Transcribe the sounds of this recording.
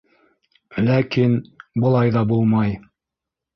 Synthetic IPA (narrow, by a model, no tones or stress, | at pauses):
lækinbɤ̆lˠɑjðɑbulˠmɑj